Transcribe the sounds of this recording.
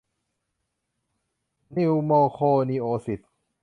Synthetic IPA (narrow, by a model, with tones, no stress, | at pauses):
ni˧wmɔː˧kʰoː˧niː˧ʔoː˨˦si˨˩t̪̚